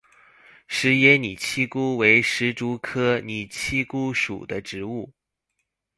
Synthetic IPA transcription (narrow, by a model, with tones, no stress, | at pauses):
ʂɻ̩˧˥jɛ˥ni˨˩t͡ɕʰi˥ku˥we˧˥ɪʂɻ̩˧˥ʈ͡ʂu˧˥kʰɤ˥ni˨˩t͡ɕʰi˥ku˥ʂṵ˨˩d̪ə˦ʈ͡ʂɻ̩˧˥u˥˩